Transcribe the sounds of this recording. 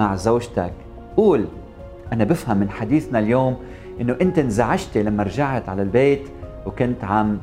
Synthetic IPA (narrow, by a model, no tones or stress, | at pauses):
aʕzoːʒt̪ak | ʔuːl | ʔanabɪfhamːɪnħad̪iːθnaljoːm | ʔɪnːoʔɪnt̪ɪnzaʕaʒt̪ilamːaɾˤʒaʕt̪ʕalalbeːt̪ | wkʊnt̪ʕam